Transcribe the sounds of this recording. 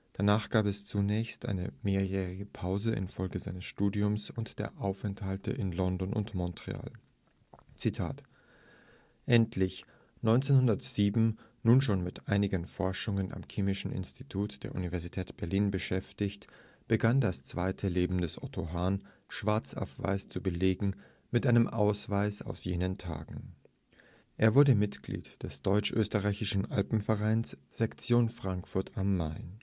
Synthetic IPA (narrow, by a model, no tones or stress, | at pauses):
d̥anaːχɡ̥aːpɛst͡sunɛːçstʔa̰ɪnə̰meːɐjɛːʁɪɡəpʰaʊzəʔɪ̰nfɔlɡəzaɪnəsʃtuːdiʊmsʊntd̥ḛːɐʔaʊfɛnthaltə̰ʔɪnlɔndɔnʔʊ̰ntmɔntʁ̥ḛa̰ːl | t͡sitʰa̰ːt | ʔɛntʰlɪç | nɔʏnt͡seːnhʊndɐtz̥iːbm̩ | nuːnʃoːnmɪtʔaɪnɪɡənfɔɐʃʊŋənʔa̰mkʰeːmɪʃn̩ɪ̰nstʰitʰuːtd̥eːɐʔṵnivɛɐzitʰɛːtb̥ɛɐliːnbəʃɛftɪçt | b̥əɡandast͡sv̥aɪtʰəleːbm̩dɛsʔɔ̰tʰoɦaːn | ʃv̥aɐt͡sa̰ʊfv̥a̰ɪst͡subəleːɡŋ̩ | mɪtʔaɪnəmʔaʊsv̥aɪsa̰ʊsjeːnəntʰa̰ːɡŋ̩ | ʔeːɐvʊɐdəmɪtɡ̥lḭːtd̥ɛsd̥ɔʏt͡ʃʔø̰ːstəʁaɪçɪʃn̩ʔalpm̩fɛʁaɪnsz̥ɛkt͡sjoːnfʁ̥aŋkfʊɐtʰamːaɪ